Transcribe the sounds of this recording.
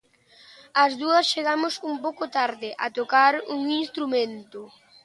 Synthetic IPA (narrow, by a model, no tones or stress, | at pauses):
ɐzðuɐsʃeɣamʊsumpowkʊt̪aɾðɪʔɐt̪okaɾuŋinst̪ɾumẽnt̪ʊ